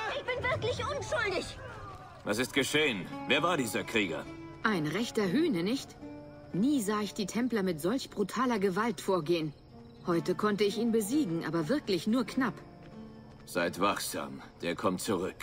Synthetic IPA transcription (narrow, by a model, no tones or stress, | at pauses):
ɪçb̥ɪnvɪɐklɪçʔʊnʃʊldɪç | va̰s̬ɪstɡ̥əʃeːənveːɐvaːɐdiːzɐkʁ̥iːɡɐ̰ʔaɪnʁɛçtɐɦyːnənɪçt | niːzaːɪçd̥iːtʰɛmplɐmɪtz̥ɔlçb̥ʁutʰaːlɐɡəvaltfoːɐɡeːən | hɔʏtəkʰɔntəɪçiːnbəziːɡŋ̩ʔa̰ːbɐvɪɐklɪçnuːɐkʰnap | z̥aɪtv̥aχz̥a̰ːmd̥eːɐkʰɔmtt͡suʁʏk